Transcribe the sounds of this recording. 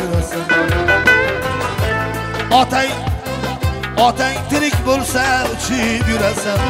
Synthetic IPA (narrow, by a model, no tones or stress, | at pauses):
ʊɾasan | ɒt̪ʰaŋ | ɒt̪ʰaŋt̪ʰɪɾɪkʲbolˠsaʊt͡ʃʰɪbjʊɾasan